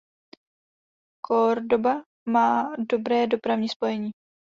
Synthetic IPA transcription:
kʰoɾdoba | maːdo̞bɾɛːdo̞pɾavɲiːspo̞jɛɲiː

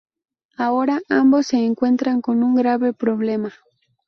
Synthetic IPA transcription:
aoɾaʔambosːeːŋkwe̞nt̪ɾaŋkonuŋɡɾaβepɾoβlema

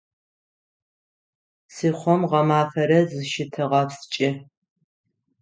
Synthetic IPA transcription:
siːχʷɔmʁɐmaːfɐɾɐzɨʃɪtʰɨʁɐpst͡ʃʼɪ

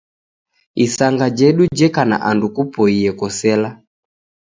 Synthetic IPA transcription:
isaŋɡad͡ʒɛɗud͡ʒɛkana̰ʔandukupɔiɛkɔsɛla

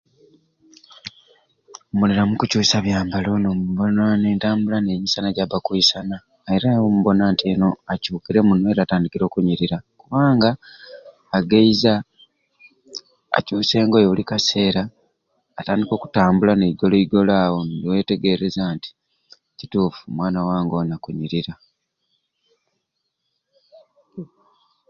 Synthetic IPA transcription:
omuliɾamukucuːsaβjaːmbalo̞nomuβonane̞ːntaːmbulanemisanaɟaβakwuisanaː | iɾaomuβo̞naːntʰeno̞acuːkiɾe̞munwe̞ːɾaːtaːndikiɾo̞ːkuɲiɾiɾakuβaːŋɡaː | ɡeiza | cuːse̞ːŋɡojeβulikase̞ːɾaː | taːndiko̞ːku̥taːmbulaneiɡo̞loiɡo̞laːwo̞ndiwe̞ːte̞ɡe̞ɾe̞zanti̥ | cituːfu̥mwaːnawaːŋɡo̞nakuɲiɾiɾa

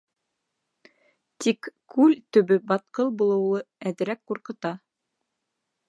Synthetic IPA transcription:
t̪ikkʉlt̪ɵ̆βɵbɑt̪qɤlˠbulˠɤ̆wlˠɤæðɘ̆ɾækquɾqɤ̆t̪ɑ

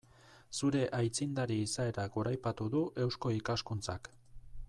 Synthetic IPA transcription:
suɾe̞ʔajt͡sind̪aɾiːsae̞ɾaɡoɾajpat̪uðuʔe̞wsko̞ikaskunt͡sak

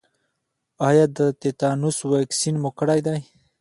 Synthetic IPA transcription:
ɑjɑd̪ət̪et̪ɑnuswaksinmʊkəɽajd̪aj

